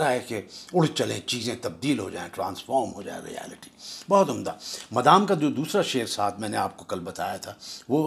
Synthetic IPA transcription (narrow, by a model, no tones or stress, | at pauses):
ɾaɦɛkeʊɽ̤t͡ʃɐlẽt͡ʃiːzẽt̪ɐb̚d̪iːlɦod͡ʒaːẽʈɾã̰ːnsfɔːɾmɦod͡ʒa̰ːḛɾḭɛ̰ːlɪʈi̥bɔːt̪ʊmd̪amɐd̪aːmkad͡ʒoːd̪uːsɾaʃeːɾsaːt̪ʰmɛ̃ːneaːp̚kokɐlbɐt̪a̰ːjat̪ʰaʋoː